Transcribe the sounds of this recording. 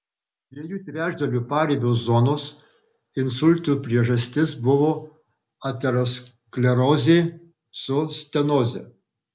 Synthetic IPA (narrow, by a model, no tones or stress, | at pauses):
d̪ʲʋʲiɛjuːt̪ʲɾʲæːʒd̪ʲɐlʲuːpɑːɾʲeːbʲozɔnoːs | ɪnsʊlʲˑt̪uːpʲɾʲiɛʒɐsʲt̪ʲɪsbʊʋoː | ɐt̪ʲɛɾos | klʲɛɾɔːzʲeː | sʊsʲt̪ʲɛnoːzʲɛ̰